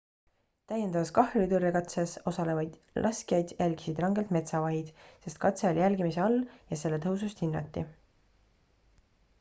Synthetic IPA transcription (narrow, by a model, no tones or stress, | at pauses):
t̪æjːend̪̥ɑvɑskɑhrt̪urːekɑt̪seso̞sɑle̞vɑjd̪̥ | lʔɑskijɑjd̪̥jælʲɡ̥i̥sid̪̥rɑŋɡe̞lt̪me̞t̪sɑvɑɦid̪̥se̞st̪̚kɑt̪seolijælɡimiseɑlːjɑse̞lːe̞t̪ɤɦus̬ust̪hinːɑ̰t̪ˑːi